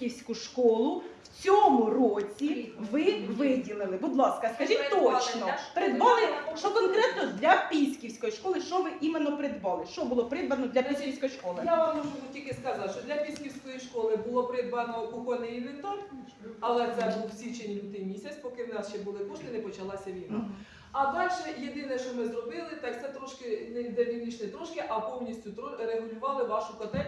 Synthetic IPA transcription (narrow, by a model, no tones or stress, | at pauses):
kʲiwsʲkʊʃkɔlˠʊwt͡sʲɔmʊrɔt͡sʲiʋɪʋɪdʲilˠɪlˠɪbʊd̪lˠɑskɐskɐʒit̪ɔt͡ʃnɔpeɾed̪ʋɑmɪʃt͡ʃɔkɔnkɾɛt̪nɔd̪lʲɐpʲisʲkʲiwsʲkɔjiʃkɔlˠɪʃt͡ʃɔʋɪʔimenːɔpɾɪd̪ʋɑlˠɪʃt͡ʃɔbʊlˠɔpɾɪd̪ʋɐnɔd̪lʲɐpʲisʲkʲiwsʲkɔjiʃkɔlˠɪjaʋamɔʒʊnʊtʲilʲkɪskɐzɑʃt͡ʃɔd̪lʲɐpʲisʲkʲiwsʲkɔjiʃkɔlˠɪbʊlˠɔpɾɪd̪ʋɐnɔʊkɔnɪjiʋɪnt̪ɔr | ɐlˠɛt̪sɛbuwsʲit͡ʃenʲlʲud̪ɪmʲisʲɐsʲpɔkɪwnɑst͡ʃɛbʊlˠɪkɔʃt̪ɪnɛpɔt͡ʃɐlˠɑsʲɐʋʲilnɔ | ɐd̪ɑlʲʃɛjed̪ɪnɛʃt͡ʃɔmɪzɾɔbɪlˠɪt̪ɑkt̪sɛt̪ɾɔʃkɪnɛd̪elʲinʲit͡ʃnɛt̪ɾɔʃkɪʔɐpɔwnʲisʲtʲʊt̪ɾɔɾeɦʊlʲʊʋɑlˠɪʋɑʃʊkɔt̪ɛ